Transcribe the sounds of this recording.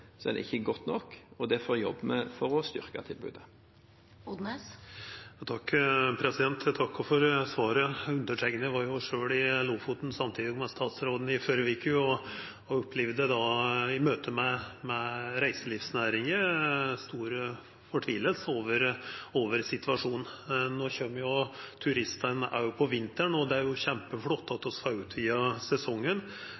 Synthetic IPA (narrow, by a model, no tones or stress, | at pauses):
sɔɛ̰n̰ɪ̰çːəɡɔt̪ːnɔkːɔd̪ɛfoːjɔ̰bːmɛfɔɾɔst̪ʏ̰ɾkɑ̰t̪ʰɪlbʉ̰ːd̪ə | ʊd̪nesɑt̪ʰɑkːpʰɾɛsɪd̪ɛnt̪ʰt̪ʰɑkːɔfɔɾsʋɑːɾəʉnd̪əʈʰɛŋɡnəʋɑɾjʊʂøːɽɪlufʊt̪n̩sɑmt̪ʰiːd̪ɪɔmɛst̪ɑːt̪sɾoːd̪n̩ɪføɾʋɪkʰʉɔ | ɔʊpʰːlɪʋd̪əd̪ɑɪmøːt̪ʰəmɛmɛɾæɪsəlifsnæːɾɪŋəst̪uːɾ | fɔʈʰʋiːləlsoːʋəɾoːʋəɾsɪt̪ʋɑʂuːnnoːçømːjʊt̪ʰʉɾɪst̪ənʔæ̰ɾjʊpʰɔʋɪnt̪əɳɔd̪ɛæɾjʊçɛmpəflɔt̪ːɑt̪ɔsfɑʉːt̪ʰʋiːɑsɛsɔŋːən